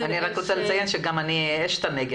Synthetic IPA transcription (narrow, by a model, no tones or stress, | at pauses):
aniʁakʁot͡selet͡sajenʃeɡamanieʃt̪aneɡe